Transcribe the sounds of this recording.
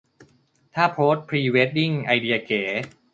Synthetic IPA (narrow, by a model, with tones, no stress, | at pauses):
t̪ʰaː˥˩pʰɾoː˦˥t̪̚pʰɾiː˧weː˦˥t̪̚di˥˩ŋʔa˧jdi˧a˧keː˩˦